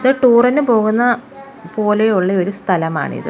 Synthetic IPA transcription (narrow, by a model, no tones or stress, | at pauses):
ɐðɨʈuːrɐnːɨpo̞ːɣunːɐ | po̞ːle̞uɭːɐo̞ɾust̪ʰɐlɐma̰ːɳɨ̰ḭðɨ̰